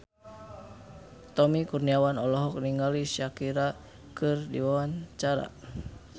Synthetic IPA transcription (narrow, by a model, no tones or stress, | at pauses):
t̪ɔmikurniawanɔlɔɦɔk̚niŋɡalisakiɾa | kɨrdḭwawaɲt͡ʃaɾa̰